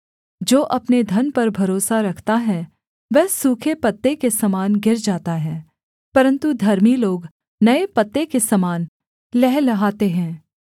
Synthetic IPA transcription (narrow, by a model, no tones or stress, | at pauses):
d͡ʒoːʔɐpned̪ʱɐnpɐɾbʱɐɾoːsaɾɐkʰt̪aɦɛ | ʋɛɦsuːkʰepɐt̪ːekesɐmaːnɡɪɾd͡ʒaːt̪aɦɛ̃ː | pɐɾə̃nt̪ud̪ʱɐɾmiloːɡ | nɐepɐt̪ːekesɐmaːn | lɛɦlɐɦaːt̪eɦɛ̃ː